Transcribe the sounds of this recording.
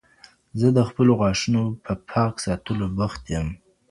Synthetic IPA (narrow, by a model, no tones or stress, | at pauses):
zəd̪əxpəloɣɑʂunopʰəpʰɑksɑt̪əlobaxt̪jəm